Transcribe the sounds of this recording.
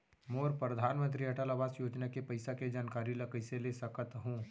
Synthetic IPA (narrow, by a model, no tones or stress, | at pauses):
moːɾpɾɐd̪ʱaːnmə̃nt̪ɾiɐʈalabaːsjoːd͡ʒnakepɐɪsaked͡ʒaːnkaːɾilɐkəɪselesɐkət̪ɦũː